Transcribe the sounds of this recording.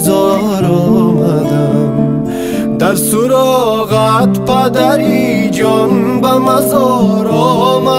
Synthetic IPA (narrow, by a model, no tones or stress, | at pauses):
zɔ | ɾɔmaza | d̪ɐɾsuɾɔɣat̪pɐd̪aɾi | d͡ʒɔnbamɐzɔɾɔma